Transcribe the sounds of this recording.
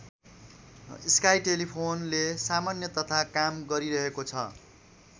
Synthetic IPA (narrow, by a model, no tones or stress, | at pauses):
iskajʈelipʰonlesamanjʌt̪ʌt̪ʰakamɡʌɾiɾʌɦekot͡sʰʌ̰